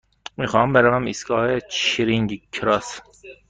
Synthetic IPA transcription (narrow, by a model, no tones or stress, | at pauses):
mixɑmbeɾævæmisɡɒːhet͡ʃʰiɾiŋɡkʰːɾɒs